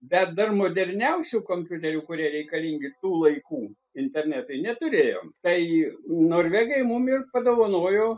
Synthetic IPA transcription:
bʲɛt̪̚d̪ɐrmoːd̪ʲɛrʲnʲɛʊsʲuːkoːmʲpʲjʊt̪ʲɛɾʲuːkʊɾʲiɛɾʲɛɪkɐlʲiːŋʲɡʲɪt̪uːlˠɐɪkuː | ɪnʲt̪ʲɛrʲnʲæt̪ʊɪnʲɛt̪ʊɾʲeːjo̰ːmt̪ɐɪnoːɾʲʋʲæːɡɐɪmʊmɪrpɐd̪oːʋɐnoːjoː

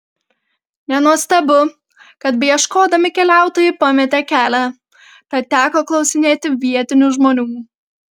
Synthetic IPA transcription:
nʲɛnuɔst̪ɐbʊ | kɐt̪bʲɛjɛʃkoːd̪ɐmʲɪkʲɛlʲæˑʊt̪oːjɪpɐmʲɛt̪ʲɛːkʲæːlʲæ | pʲɐt̪t̪ʲæːkoːklˠɒʊsʲɪnʲeːt̪ʲɪʋʲiɛt̪ʲɪnʲuːʒmoːnʲuː

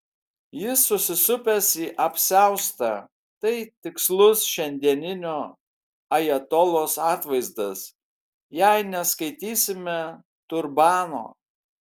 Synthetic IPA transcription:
jɪsːʊsʲɪsʊpʲɛsiːʔɐpʲsʲæʊst̪ɑ | t̪ɐɪt̪ʲɪkslˠʊsʃʲɛnʲd̪ʲiɛnʲɪnʲoː | ɐjɛt̪ɔlˠoːsɑːt̪ʋɐɪzd̪ɐs | jɛɪnʲɛskɐɪt̪ʲiːsʲɪmʲɛ | t̪ʊɾbɑːno̰ː

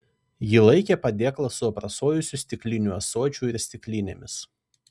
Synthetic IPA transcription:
jɪlˠɐɪkʲepɐd̪ʲeːklˠɐsʊɐpɾɐsoːjʊsʲʊsʲt̪ʲɪklʲɪnʲuɐsoːt͡ʃʲuˑɪɾsʲt̪ʲɪklʲinʲḛːmʲɪs

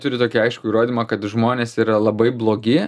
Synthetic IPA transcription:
t̪ʊɾʲɪt̪oːkʲiɐɪʃkʊiːɾoːd̪ʲiːmɐkɐt̪ʒmoːnʲeːsiːɾɐlˠɐbɐɪblˠoːɡʲɪ

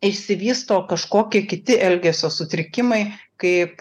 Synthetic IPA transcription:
ɪʃʲsʲɪʋʲiːst̪oːkɐʃkoːkʲiɛkʲɪt̪ʲɪʔɛlʲɡʲɛsʲoːsʊt̪ʲɾʲɪkʲɪmɐɪkɐɪp

